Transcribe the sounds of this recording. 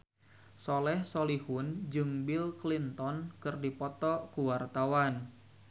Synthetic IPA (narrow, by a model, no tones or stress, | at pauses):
sɔlɛhsɔlihʊnd͡ʒɨŋbilklint̪ɔnkɨrdipɔt̪ɔkuwart̪awan